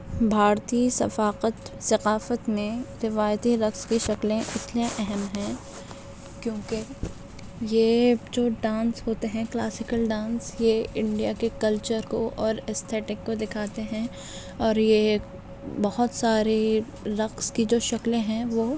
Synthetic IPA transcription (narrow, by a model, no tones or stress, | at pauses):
bʱaːɾt̪isɐ̰faːqət̪sɐqaːfət̪mẽɾɪʋaːjət̪iɾɐqskiʃɐklẽʔɪt̪lẽʔɛɦɛmɦɛ̃ | kjõːke | jed͡ʒoːɖãːnsɦoːt̪eɦɛ̃klaːsɪkəlɖãːnsjeɪ̃ɳɖijakekɐlt͡ʃəɾkoʔɔːɾɛst̪ʰɛːʈɪkːod̪ɪkʰaːt̪eɦɛ̃ | ɔːɾje | bɐɦʊt̪saːɾe | ɾɐqskid͡ʒoːʃɐklẽɦɛ̃ʋoː